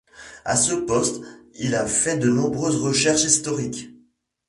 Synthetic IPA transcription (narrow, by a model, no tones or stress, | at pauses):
a̰səpɔst̪ilafɛd̪ənɔ̃bʁøzʁəʃɛʁʃist̪ɔʁikʲ